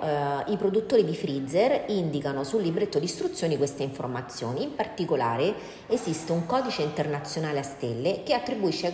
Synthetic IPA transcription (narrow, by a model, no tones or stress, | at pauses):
ipɾod̪ut̪ːoːɾid̪ifɾid̪zerind̪ikanosulːibɾet̪ːod̪ist̪ɾut̪sːjoːnikwest̪eiɱfo̰rmat̪sːjo̰ːniːmpart̪ikola̰ːɾe | ezist̪euŋkɔːd̪it͡ʃeint̪ernat̪sːjonaːleast̪elːekeat̪ːɾibuiʃːe